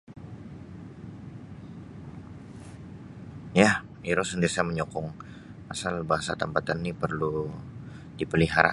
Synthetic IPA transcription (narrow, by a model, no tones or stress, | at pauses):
jah | iɾosəndiɾisajməɲɔkɔŋ | asalbaɦasa̰t̪əmpat̪anːipərlu | dipəliɦaɾa̰